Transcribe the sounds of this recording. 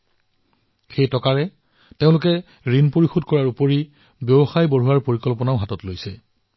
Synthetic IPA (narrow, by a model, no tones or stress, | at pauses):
xejtɔkaɹɛ | teʊ̃lʊkɛ | ɹinpoɹixodkɔɹaɹupoɹi | bjɔbɔxajboɹuwaɹpoɹikɔlpɔnaʊɦatɔtlojsɛ